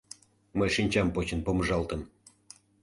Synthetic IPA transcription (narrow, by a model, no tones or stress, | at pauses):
mɤjʂinʲt͡ɕɑmpot͡ɕə̆npoməʐɑlˠt̪ə̆n